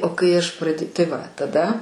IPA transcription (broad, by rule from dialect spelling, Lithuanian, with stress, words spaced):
oː kɐɪ ˈɐʃ prɐtʲ tɐɪ ˈʋɐ tɐˈdɐ